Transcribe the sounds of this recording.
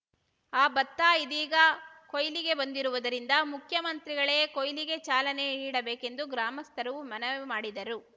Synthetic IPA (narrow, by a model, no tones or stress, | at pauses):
aːbɐt̪ːaːid̪iːɡɐkojliɡe̞bɐnd̪iɾuʋud̪ɐɾind̪ɐmukʰjɐmɐnt̪ɾiɡɐɭeːkojliɡe̞t͡ʃaːlɐne̞niːɽɐbeːke̞nd̪uɡɾaːmɐst̪ʰɐɾɐʋumɐnɐʋmaːɽid̪ɐɾu